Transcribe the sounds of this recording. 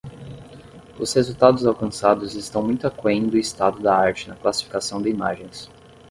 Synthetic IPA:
ʊshezuwt̪ad̪ʊzawkɐ̃sad̪ʊzɪst̪ɐ̃w̃mũj̃t̪ʊakẽj̃d̪ʊɪst̪ad̪ʊd̪aaɾt͡ʃɪnɐklasi̥fi̥kasɐ̃w̃d̪ɪima̰ʒẽj̃s

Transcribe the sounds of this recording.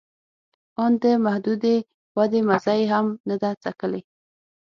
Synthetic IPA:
ɑnd̪əmahd̪ud̪e | wad̪emazajeɦamnad̪at͡sakəle

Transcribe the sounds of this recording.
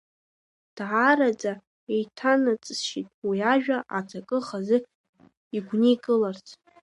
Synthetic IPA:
d̥ʕaɾad͡zʼa | ejtʰanat͡sʼsʃitʼwiaʒᶣaʔatʰakʼɨχazɨk | iɡʷnikʼɨlart͡sʰ

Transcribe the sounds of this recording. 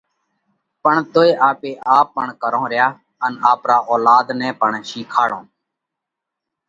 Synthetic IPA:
pəɳt̪oːeːʔaːpeːʔaːpːəɳkəɾõːɾɪjaː | ənaːpɾaːʔoːlaːd̪nɛ̃ːpəɳʃiːkʰaːɽõ̰ː

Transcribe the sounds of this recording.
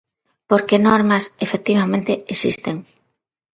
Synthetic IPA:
poɾkenɔɾmɐsefek̚t̪iβamẽnt̪eesḭst̪eŋ

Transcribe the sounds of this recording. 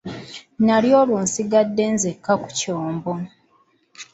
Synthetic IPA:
naljo̞ːluːnsiɡadːe̞ːnzekːaku̥coːmbo

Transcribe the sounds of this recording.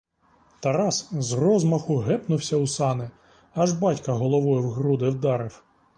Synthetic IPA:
t̪ɐɾɑszrɔzmɐxʊɦɛpnʊwsʲɐusɑnɪ | ɐʒbɑtʲkɐɦɔlˠɔʋɔjʊwɦɾud̪ɪwd̪ɑɾɪw

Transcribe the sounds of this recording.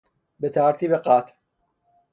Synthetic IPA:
bet̪ʰaːɾt̪ʰiːbeqaːt̪ʰ

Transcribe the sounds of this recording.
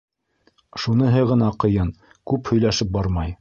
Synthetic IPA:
ʃunɤɦɤʁɤ̆nɑqɤ̆jɤn | kʉphɵ̆jlæʃɘp̚bɑɾmɑj

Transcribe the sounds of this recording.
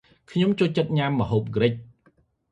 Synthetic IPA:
kʰɲomt͡ɕoːlt͡ɕət̪̚ɲamːə̆ɦoːp̚ɡrɨc̚

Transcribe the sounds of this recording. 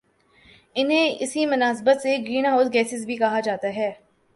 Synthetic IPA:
ɪnɦẽɪsimʊnaːsbət̪seɡiːñaɦoːzɡɛːsɪzbʱikɐɦad͡ʒaːt̪aɦɛː

